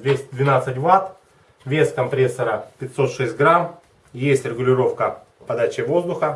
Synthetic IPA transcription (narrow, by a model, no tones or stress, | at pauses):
d̪vʲesʲtʲɪd̪vʲɪnat̪sɨtʲvat̪ | vʲeskɐmpɾʲesːəɾəpʲɪt̪so̞t̪ʂɛsʲt̚ʲɡɾam | jesʲtʲɾʲɪɡʊlʲɪɾo̞fkə | pɐd̪at͡ɕɪvo̞zd̪ʊxə